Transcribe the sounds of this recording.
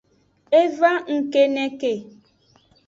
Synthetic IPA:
e˦va˦ŋ̩˨ke˦ne˦ke˨

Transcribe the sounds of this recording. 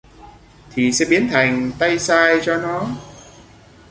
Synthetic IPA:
t̪ʰi˨˩sɛ̰˧˥ɓi˨˦ənt̪ʰa˨˩jŋ̟t̪a˧jsaː˧jt͡ɕɔ˧nɔ˨˦

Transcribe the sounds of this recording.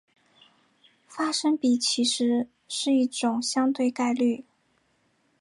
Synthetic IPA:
fa˥ʂə˥ŋpi˨˩t͡ɕʰi˧˥ʂɻ̩˧˥ | ʂɻ̩˥˧i˥˩ʈ͡ʂʊ˨˩ŋɕjɑ˥ŋt̪we˥˧ɪka˥˧ɪly˥˩

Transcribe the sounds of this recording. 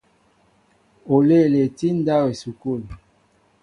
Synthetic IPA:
o˨le˦˨le˨ti˦n˦da˦we˨su˨ko˦˨l

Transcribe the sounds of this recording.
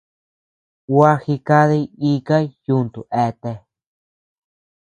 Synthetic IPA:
wa˦hi˧ka˦ði˧i˦ka˦ju˦nt̪ṵ˨ʔe˧t̪e˧

